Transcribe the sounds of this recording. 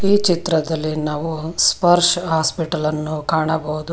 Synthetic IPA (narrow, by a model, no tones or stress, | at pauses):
iːt͡ʃit̪ɾɐd̪ɐlːinaːʋuspɐɾʂɦaːspiʈɐlɐnːukaːɳɐbɐɦud̪u